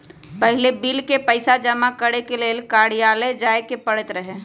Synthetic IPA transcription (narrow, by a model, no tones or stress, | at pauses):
pəɦɪlebilkepəɪsad͡ʒəmakəɾekeleːlkaːɽijaːled͡ʒaːekepəɽət̪ɾəɦe